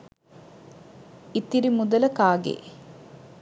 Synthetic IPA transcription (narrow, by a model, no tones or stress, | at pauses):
it̪ːiɾimud̪ələkaːɡḛː